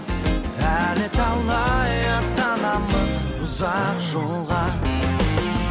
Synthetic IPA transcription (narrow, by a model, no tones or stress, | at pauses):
ælɪt̪ʰɑlˠnɑjɑt̪ɑnɑməz | ʊzɑqʒoɴʁɑ